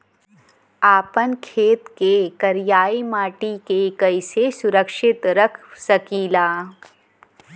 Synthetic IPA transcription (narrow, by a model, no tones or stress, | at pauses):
aːpənkʰeːt̪kekɐɾjaːimaːʈikekɐɪsesʊɾəkʃɪt̪ɾəkʰsɐkiːlaː